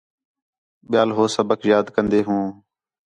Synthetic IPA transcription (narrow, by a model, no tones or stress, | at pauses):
ɓɪjaːlɦoːsəbəkjaːd̪kənd̪eːɦũː